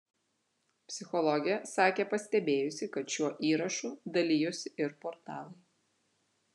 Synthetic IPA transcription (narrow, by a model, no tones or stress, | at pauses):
pʲsʲɪxɔlˠɔɡʲɛsɑːkʲeːpɐsʲt̪ʲɛbʲeːjʊsʲɪkɐt̪ʃʲuɔʔiːɾɐʃuːd̪ɐlʲiːjʊsʲɪʔɪɾpɔɾt̪ɑːlˠɐɪ